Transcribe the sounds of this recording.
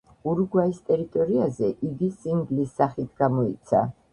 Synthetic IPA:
uɾɡwaist̪ʼɛɾit̪ʼɔɾiazɛʔiɡisiŋɡlisːaχit̪ʰɡ̥amɔḭt̪sʰa̰

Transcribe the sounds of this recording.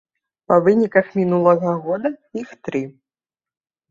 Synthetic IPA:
pɐvɨnʲikɐxmʲinulˠɐɣɐɣɔd̪ɐixt̪ɾɨ

